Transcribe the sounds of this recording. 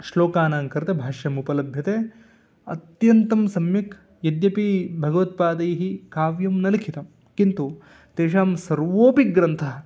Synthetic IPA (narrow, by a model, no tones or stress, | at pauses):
ʂloːkaːnaːŋkɐɾt̪ebʱaːʂjɐmupɐlɐbʱjɐt̪eː | ɐ̰t̪jɐnt̪ɐmsɐmjɐk | jɐd̪jɐpibʱɐɡɐʋɐt̪̚paːd̪ɐjɐɦikaːʋjɐmnɐlikʰit̪ɐm | kint̪u | t̪eːʂaːmsɐɾʋoːpiɡɾɐnt̪ʰɐ